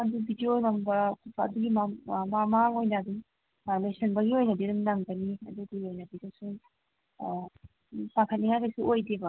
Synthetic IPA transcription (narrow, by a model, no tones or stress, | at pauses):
ɐdubʱidionɐmbɐɐ̰duɡimamamaŋojnɐːd̪uŋ | lesɐnbɐɡiojnɐdiduŋnɐŋɡɐniɐd̪uɡiojnɐbidɐsu | pakʰɐt̚niŋajdɐsuojdebɐ